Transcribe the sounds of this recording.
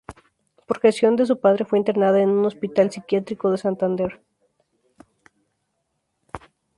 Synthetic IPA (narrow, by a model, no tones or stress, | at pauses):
poɾxesjo̞nd̪e̞s̬upaðɾe̞fwe̞int̪eɾnaðaenũno̞spit̪alsikjat̪ɾiko̞ðe̞sant̪and̪e̞ɾ